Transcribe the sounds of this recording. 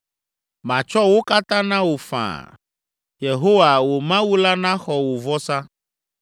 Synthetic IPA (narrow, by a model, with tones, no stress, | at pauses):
mã˨t͡ʃɔ˦wo˦ka˦t̪ã˦nã˦wo˨fã̰˨ | je˨ɦo˦wa˨wo˨mã˦wu˦la˦nã˦xɔ˨wo˨vɔ˦sã˦